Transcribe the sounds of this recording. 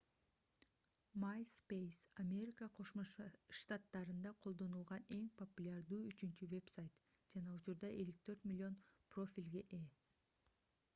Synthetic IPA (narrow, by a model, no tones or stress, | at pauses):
majspejsɐmʲe̞ɾʲɪkəqʰo̞ʃmoʃt̪at̪ːɑɾɯnd̪ɑqʰo̞lˠd̪o̞nulˠʁɑne̞ŋpopulʲaɾd̪uːyt͡ʃynt͡ʃyve̞psajt̪ | d͡ʒɑnɑut͡ʃuɾd̪ɑʔe̞lik̚t̪ʰø̞ɾt̪mʲɪlʲːɪo̞npro̞fʲilʲɡeʔe